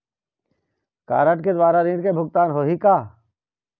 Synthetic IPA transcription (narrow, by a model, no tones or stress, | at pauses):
ka̰ːɾəʈked̪waːɾaɾĩːɽkebʱʊk̚t̪aːnɦoːɦikaː